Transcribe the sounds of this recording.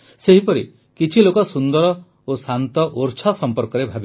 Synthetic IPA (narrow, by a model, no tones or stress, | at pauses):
seɦipɔɾḭ | kit͡ʃʰilokɔsund̪ɔɾɔ | osant̪ɔʔoɾt͡ʃʰasɔmpɔɾkɔɾebʱabi